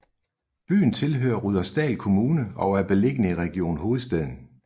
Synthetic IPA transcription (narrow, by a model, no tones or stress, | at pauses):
b̥y̰ːn̩t͡sʰe̝lɦø̰ːɐʁuðˠɐsd̥ɛ̰ːlkʰo̝muːnəɒ̽ʊæɐb̥e̝le̝ɡ̥ənəiʁɛɡ̥io̝̰ːnɦo̝ːð̩ˠsd̥ɛðˠn̩